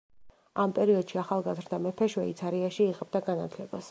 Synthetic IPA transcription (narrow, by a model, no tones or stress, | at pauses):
ampʼɛɾiɔd̪̥ʃiaχalˠɡazɾd̪amɛpʰɛʃwɛḭt̪sʰaɾiaʃiːʁɛb̚d̪aɡanat̪ʰlɛbas